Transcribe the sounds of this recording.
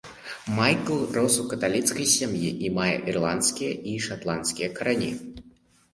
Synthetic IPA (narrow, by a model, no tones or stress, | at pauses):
majklˠrɔsukɐt̪alʲit̪skɐjsʲamjiʔːmajɛ̰ʔirlˠant̪skʲijɐiʂat̪lˠant̪skʲijɐkɐɾanʲḭ